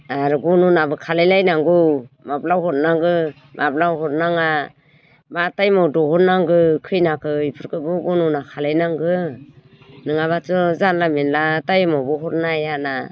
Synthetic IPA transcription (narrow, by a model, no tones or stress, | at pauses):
aɾɡunɔnabɯkʰalajlajnaŋɡɯmaplawɦɔt̚naŋɡɯ | mʔap̚lawhɔtnaŋa | matajmɔdɔhɔt̚naŋɡɯkʰɯjnakʰɯipʰɯɾkʰɯbɯɡunɔnakʰalajnaŋɡɯ | nɯŋaβat͡ʃɔzanlamenlatajmɔbɔɦɔɾnajana